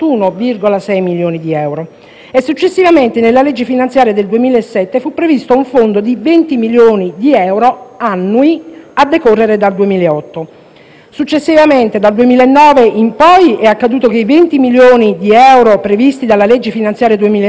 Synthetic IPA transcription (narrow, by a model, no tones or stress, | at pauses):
unovirɡolasɛjmiljoːnid̪iɛwɾo | esːut͡ʃːesːivament̪enelːaled͡ʒːefinant̪sjaːɾjad̪eld̪uemiːlaesːɛt̪ːefupːɾevist̪ouɱfond̪od̪ivent̪imiljoːnid̪iɛwɾoanːuiad̪ːekorːeɾed̪ald̪uemiːleɔt̪ːo | sut͡ʃːesːivament̪ed̪ald̪uemiːlaenːɔːveimpɔjɛakːad̪uːt̪ok̟eivent̪imiljoːnid̪iɛwɾopɾevist̪id̪alːaled͡ʒːefinant̪sjaːɾjad̪uemiːla